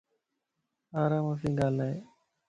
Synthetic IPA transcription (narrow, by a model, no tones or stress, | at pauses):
aːɾaːmasĩːɡaːlaːɦeː